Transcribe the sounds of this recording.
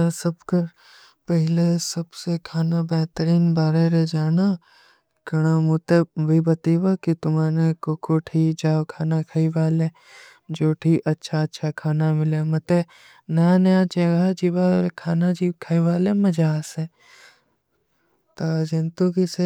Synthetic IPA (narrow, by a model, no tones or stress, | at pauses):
sɐbkɐɾ | pɛɦɪlesɐbsekʰaːnabɛɦt̪əɾiːnbaːɾeɾed͡ʒaːna | kɐɽ̃amut̪ebʱibɐt̪iʋakit̪ʊmaːnekoːkʰoːʈʰiːd͡ʒaːwkʰaːnakʰɐiʋaːle | d͡ʒoːʈʰiːʔɐtːʃʰaɐtːʃʰakʰaːnamɪlemɐt̪e | nɐjanɐjat͡ʃɐɡad͡ʒiʋaːɾkʰaːnad͡ʒiːkʰɐiʋaːlemɐd͡ʒaːse | t̪ad͡ʒɪnt̪ũkise